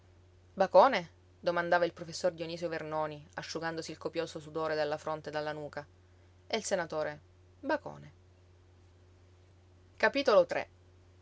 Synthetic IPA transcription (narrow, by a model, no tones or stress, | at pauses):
bakoːne | d̪omand̪aːvailpɾofesːord̪ioniːsjovernoːniaʃːuɡand̪osiːlkopjoːsosud̪oːɾed̪elːafɾont̪ed̪alːanuːka | eilsenat̪oːɾe | bako̰ːne | kapiːt̪olot̪ɾḛ